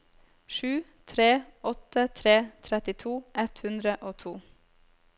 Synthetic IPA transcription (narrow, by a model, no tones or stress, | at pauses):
ʃʉːt̪ʰɾeːɔt̪ət̪ʰɾeːt̪ʰɾɛt̪ɪt̪ʰuːʔɛt̪hʉnd̪ɾəʔoːt̪ʰuː